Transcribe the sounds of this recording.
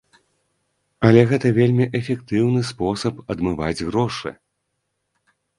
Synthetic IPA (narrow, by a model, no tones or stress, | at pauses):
ɐlʲɛɣɛt̪ɐvʲelʲmʲiʔɛfʲɛk̚t̪ɨwnɨspɔsɐpɐd̪mɨvad͡zʲɣɾɔʂɨ̰